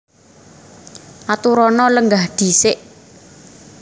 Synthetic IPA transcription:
ʔat̪uɾɔnɔləŋɡahɖ̪̥i̤sɪʔ

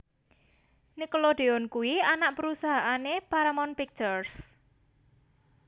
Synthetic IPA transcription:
nikoloɖ̪̥eɔnkuwianaʔpəɾusaɦaʔanepaɾamɔnpik̚t͡ʃɔrs

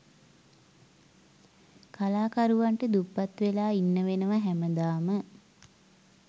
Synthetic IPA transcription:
kalaːkaɾuʋaɳʈəd̪upːat̪ʋelaːinːəʋenəʋaɦæməd̪aːmə

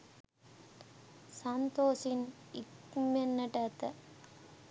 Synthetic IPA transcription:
sɐnt̪oːsin | ikmenːɐʈɐːt̪ə

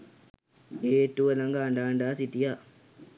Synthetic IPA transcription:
eːʈːuʋɐlɐŋɡaːɳɖaːɳɖaːsit̪ija

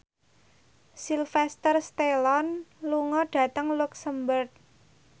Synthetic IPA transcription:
silfɛst̪ərst̪elɔnluŋɔɖ̥ä̤t̪əŋluksəmbərt̪̚

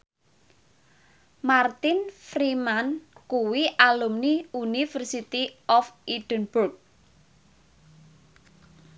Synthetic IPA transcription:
mart̪ɪnfɾimankuwiʔalumniunifərsit̪iʔɔfiɖ̥ənburk̚

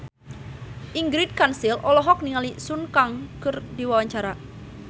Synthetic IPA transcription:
ʔiŋɡɾit̪̚kansilʔɔlɔɦɔk̚niŋalisunkaŋkɨrdiwawaɲt͡ʃaɾa

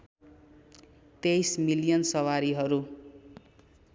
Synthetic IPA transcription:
t̪ejsmilijʌnsʌwaɾiɦʌɾu

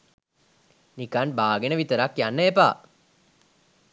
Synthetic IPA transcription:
nikanbaːɡenəʋit̪əɾakjanːəepa̰ː

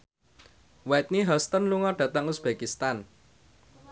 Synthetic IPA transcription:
wɛt̪̚niɦɔst̪ənluŋɔɖ̥a̤t̪əŋusb̥akist̪an

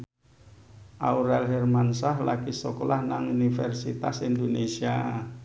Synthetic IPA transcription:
ʔauɾɛlɦɛrmansahlakisɔkolahnaŋunifɛrsit̪asind̪onesia

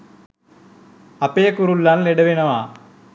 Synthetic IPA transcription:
ɐpeːkuɾulːaːnlɛɽɐʋinɐmaː

